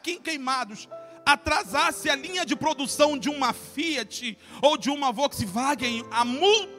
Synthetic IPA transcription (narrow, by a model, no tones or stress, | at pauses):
kẽj̃kejmad̪ʊs | at̪ɾazasɪɐlĩɲɐd͡ʒɪpɾod̪usɐ̃w̃d͡ʒɪũmɐfiɐt͡ʃɪ | owd͡ʒɪũmɐvɔksɪvaɡẽj̃amu